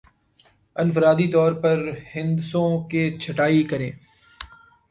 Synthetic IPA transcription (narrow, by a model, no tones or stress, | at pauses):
ənfəɾaːd̪it̪ɔːɾpɐɾhɪ̃nd̪sõket͡ʃʰɐʈaːikɐɾẽː